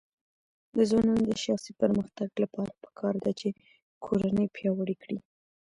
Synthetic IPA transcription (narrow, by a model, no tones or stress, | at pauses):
d̪əzwɑnɑnod̪əʃɑxsipəɾməxt̪aɡlapɑɾḁpə̥kʰɑɾd̪at͡ʃe | kʰoɾanəjpjɑwəɽikɽi